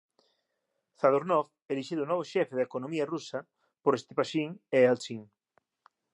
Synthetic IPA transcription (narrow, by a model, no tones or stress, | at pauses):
θaðoɾnɔf | eliʃiðunɔβ̞oʃɛfeðekonõmiarusɐ | poɾest̪ipaʃiŋealt͡ʃiŋ